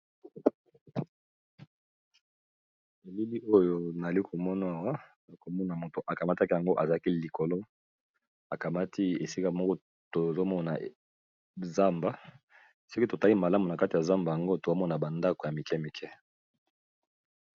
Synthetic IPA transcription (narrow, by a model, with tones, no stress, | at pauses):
e˨li˦li˦ʔo˦jo˦na˨li˦kʰo˨mɔ˦na˦˨wa˦ | a˨ko˨mɔ˦na˨mo˨to˨ʔa˨ka˨ma˦ta˦ki˦ja˨ŋɡo˦ʔa˨za˨a˦ki˦li˨ko˨lo˦ | a˨ka˨ma˦tʰi˦e˨si˦ka˦mɔ˦kɔ˦ | to˨zo˦mɔ˦na̰˨ | za˦mba˨˦ | so˦ki˦to˨ta˦li˦ma˨la˦mu˨na˨ka˦ti˨ja˨za˦mba˨ja˨ŋɡo˦to˨za˦mɔ˦na˨ba˨nda˦ko˨ja˨mi˨kɛ˦mi˨kʰɛ˦